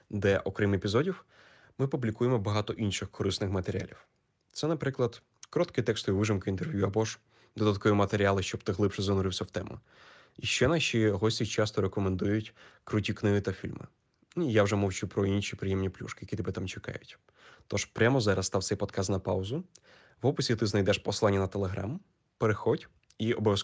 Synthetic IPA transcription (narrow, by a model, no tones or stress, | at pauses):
d̪ɛʔɔkɾɛmepʲizɔdʲiw | mɪpublʲikujemɔbɐɦɑt̪ɔʔinʃɪxkɔɾɪsnɪxmɐt̪eɾʲia̰lʲiw | t̪sɛnɐpɾɪklˠɐd̪ | kɾɔt̪kɪt̪ɛkst̪ɔjiʋɪʒɪmkɪint̪e̞rʋʲjuɐbɔʒ | d̪ɔd̪ɐt̪̚kɔjimɐt̪eɾʲialˠɪʃt͡ʃɔbt̪ɪɦlˠɪpʃɛzɐnʊɾɪwsʲɐwt̪ɛmʔʊ̰ | iʃt͡ʃɛnɑʃʲiɦɔsʲtʲit͡ʃɑst̪ɔɾekɔmend̪ujʊtʲkɾʊtʲiknɪɦɪt̪ɐfʲilʲmɪ̰ | njawʒɛmɔwt͡ʃupɾɔinʃʲipɾɪjɛmnʲiplʲṵʃkɪ̥jɐkʲit̪ɔbɛt̪amt͡ʃe̥kɑ̰jʊtʲ | t̪ɔʃpɾʲamɔzɑɾɐst̪ɑwt̪sɛjpɔd̪kʰast̪nɐpɑʊzʊ | ʋɔpɪsʲit̪ɪznɐjd̪ɛʃpɔslˠanʲːɐnɐt̪elˠeɦɾa̰m | peɾexɔdʲ | iɔbɔʋʲjɐs